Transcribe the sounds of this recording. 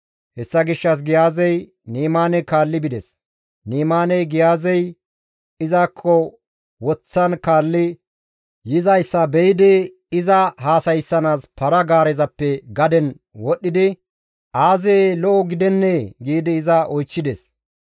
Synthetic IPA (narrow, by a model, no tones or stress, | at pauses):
hɛsːɐɡɪʃːɐs̬ɡɪjaːzɛj | niːmaːnɛkaːlːɪbɪd̪ɛs | niːmaːnɛjɡɪjaːzɛj | ɪzaːkʰːɔ | wɔt͡sːɐnkaːlːɪ | jɪzɐjsːɐbɛjɪd̪ɪ | ɪzɐhaːsɐjsːɐnaːspɐɾɐɡaːɾɛzɐpːɛɡɐd̪ɛn | wɔɗːɪd̪ɪ | ʔaːzɛlɔʔɔɡɪd̪ɛnːeɡiːd̪ɪːzɐʔɔjt͡ʃːɪd̪ɛs